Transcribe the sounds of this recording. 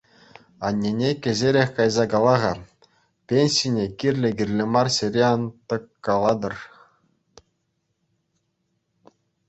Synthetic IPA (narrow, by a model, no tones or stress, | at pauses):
ɑnʲːenʲekʲɘ̆zʲeɾʲexʲkɑjzɑkɑlˠɑʁɑ | pʲenʲsʲinʲekʲirʲlʲɘ̆ɡʲirʲlʲĕmɑrɕeɾʲeɑnt̪ɤ̆kːɑlˠɑd̪ɤ̆r